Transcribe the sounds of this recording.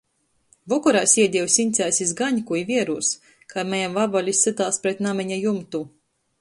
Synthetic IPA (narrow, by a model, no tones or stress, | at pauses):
vɔkɔɾajsʲiɛd̪ʲiwsint̪sʲæːsʲizɡaɲkujvʲiɛɾuːs | kamɛjamvabɔlʲisɨt̪aːspɾɛt̪namiɲajumt̪u